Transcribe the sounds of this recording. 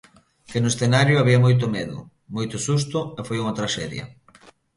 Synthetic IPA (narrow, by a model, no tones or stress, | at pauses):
kɪnʊesθenaɾjʊaβiɐmojt̪̬ʊmeðʊ̰ | mojt̪ʊsus̬t̪ʊɛfojuŋɐt̪ɾaʃɛðjɐ̰